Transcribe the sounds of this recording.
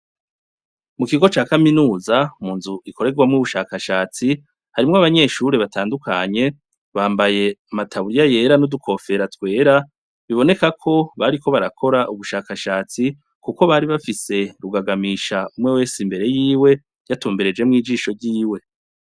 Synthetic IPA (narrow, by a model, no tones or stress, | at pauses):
mukiɡo̞t͡ʃaːkaminuːzamuːnzuʔikʰo̞ɾe̞ɡwamŋuβuʃaːkaʃaːt͡si | haɾimŋoaβaɲe̞ːʃuɾeβataːndukʰaɲe̞ | βaːmbaje̞amatʰaβuɾijaje̞ːɾanudukʰo̞fe̞ɾatwe̞ːɾa | βiβo̞ne̞kakʰo̞βaɾiko̞βaɾakʰo̞ɾaʔuβuʃaːkaʃaːt͡si | kuko̞βaɾiβafise̞ɾuɡaɡamiʃaumŋe̞we̞ːsimbe̞ɾe̞jiːwe̞ | jatuːmbeɾe̞d͡ʒe̞mŋiːd͡ʒiːʃo̞ɾɟiːwe̞